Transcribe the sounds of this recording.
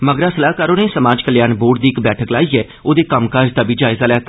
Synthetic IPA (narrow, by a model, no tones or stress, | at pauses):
məɡɾaːsəlaːkaːɾoːneːsəmaːd͡ʒkəljaːnboːʈ̚d̪iːɪkbɛːʈʰəklaːiːɛː | oːd̪eːkəmkaːd͡ʒt̪aːbiːd͡ʒaːɪzaːlɛːt̪aː